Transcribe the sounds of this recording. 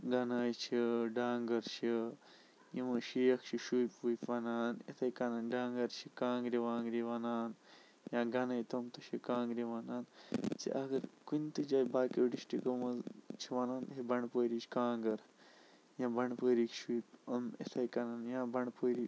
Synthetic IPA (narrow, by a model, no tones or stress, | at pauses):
ɡɐnaːjt͡ʃʰiɖaːŋɡɐɾt͡ʃʰi | jiʋɐʃijɐkt͡ʃʰiʃujpːujpʋɐnaːnḛt̪ʰɐjkɐnaːnɖaːŋɡɐɾt͡ʃʰikãːŋɡɾiʋaːŋɡɾiʋɐnaːn | jãːɡɐnaːjt̪omt̪uʃikãːŋɡɾiʋanaːnt͡sḭʔɐɡɐɾkunt̪ɨd͡ʒaːjbaːkeɖiʃʈikɐmɐt͡ʃʰiʋɐnaːnɦebɐɳpoːɾit͡ʃʰi̥kãːŋɡɐɾ | jãːbɐɳɖpoːɾiːkʃuːpɐmḛt̪ʰɐjkɐnaːnjãːbɐɳpoːɾi